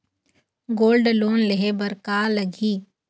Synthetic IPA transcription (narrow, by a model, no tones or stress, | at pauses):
ɡoːlɖloːnleɦebəɾkaːlɐɡʱiː